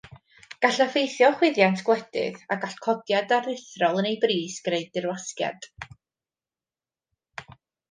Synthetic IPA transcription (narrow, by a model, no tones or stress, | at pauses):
ɡ̥aɬafejθjɔχwɪðjantʰɡ̥wɛdɪ̰ðaɡaɬkʰɔdjadarðɪθrɔlˠənejbriːsɡ̥reɨd̚ɪrwaskja̰d̥